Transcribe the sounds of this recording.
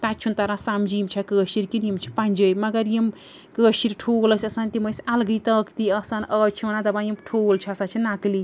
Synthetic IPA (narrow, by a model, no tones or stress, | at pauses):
t̪at͡ʃʰunt̪aɾãsamd͡ʒimt͡ʃʰɐkəːʃiɾkinjimt͡ʃʰi̥panʲd͡ʒəjmɐɡəɾjim | kəːʃiɾʈʰoləsʲɐsɐnt̪iməsalɡɨt̪əkt̪iɐsɐnət͡ʃʰinãt̪ɐbãjimʈʰoːlt͡ʃʰɐɐsat͡ʃʰinakli